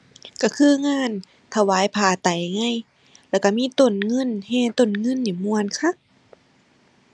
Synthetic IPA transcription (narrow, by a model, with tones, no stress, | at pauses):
ka˧˩kʰɯː˧˨ŋaː˧˥˨n | t̪ʰa˧waː˧˥˩jpʰaː˧˩t̪a˨˩jŋa˧˥˨j | lɛː˧˩wka˧˩miː˧˥˨t̪o˨˩nŋɤ˧˥˨nhɛː˧˩˨t̪o˧˩˨nŋɤ˧˥˨nːiː˧˩mu˧ənkʰa˧˥˨k̚